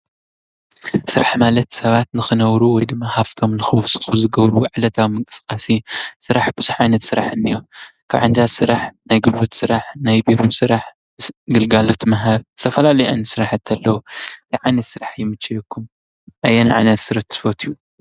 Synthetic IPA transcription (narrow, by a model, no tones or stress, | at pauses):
sɨɾaħmalɐt̪sɐβat̪nɨxɨnɐβɾuwɔjd̪ɨmːahaft̪ʰo̞mlɨxɨwfsʼɨ̥xuzɨɡɐβɾuʕɨlɐt̪ʰawmɨŋkʼɨskʼasisɨɾaħb̥ɨzuħʕajnɐt̪sɨɾaħɨnːijokʰaβʕand̪asɨɾaħnajɡɨlbot̪sɨɾaħnajbiɾumsɨɾaħ | ɡɨlɡalot̪ʰmɐɦaβzt̪ʰɐfɐlalɐjʔa̰nɨsɨɾaħat̪ʰːɐlːɐwujʕajnɐt̪sɨɾaħjɪmɨt͡ʃːɛjɛkʰːum | ʔajːenʕa̰jnɐt̪sɨɾɨt̪ʰːɨ̥fot̪ʰiju